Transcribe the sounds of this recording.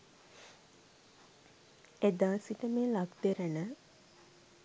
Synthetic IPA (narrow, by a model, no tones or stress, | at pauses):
ed̪aːsiʈəmeːlaɡd̪eɾənə